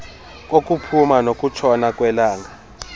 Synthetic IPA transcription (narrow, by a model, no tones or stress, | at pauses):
k̬ʼok̬ʼupʰumanokʼut͡ʃʰɔnakʼwɛlaːŋa